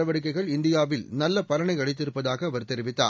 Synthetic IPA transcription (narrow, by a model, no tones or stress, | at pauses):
ɐʋɐɽɪk̬ːɐɪɣɐɭɪnd̪ɪjaːʋɪlnɐlːɐpɐɾɐɳɐɪɐɽɪt̪ːɪɾɯpːɐðaːɣɐːʋɐɾt̪ɛɾɪʋɪt̪ːa̰ː